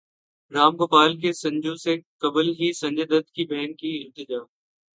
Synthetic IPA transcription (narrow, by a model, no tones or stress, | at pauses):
ɾaːmkʊpaːlk̬esɐ̃ɲd͡ʒõsekɐblɦisɐ̃ɲd͡ʒəd̪ət̪kibɛːnkiɪɾt̪ɪd͡ʒaːm